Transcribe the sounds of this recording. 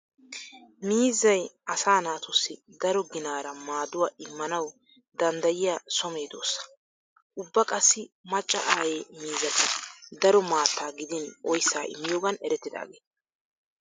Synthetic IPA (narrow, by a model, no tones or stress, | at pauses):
miːzɐjɐsaːnaːt̪ʊsːɪd̪ɐɾɔɡɪnaːɾɐmaːd̪ʊwaːʔɪmːɐnɐw | d̪ɐnd̪ɐjɪjaːsɔme̞ːd̪o̞̰ːsːɐ̥ | ʔʊbːɐkʼɐsːɪmɐt͡ʃʼːɐ̰ʔaːjemiːzɐt̪ɪd̪ɐɾɔmaːt̪ːaːɡɪd̪ɪnʔɔjsːaːʔɪ̰mːɪjoːɡɐnɛɾɛt̪ːɪd̪a̰ːɡḛːt̪